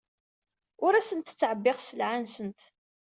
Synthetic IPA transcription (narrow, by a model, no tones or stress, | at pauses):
ʊɾæsənt̪t͡sːʕəbːɪʁsəlʕansənt̪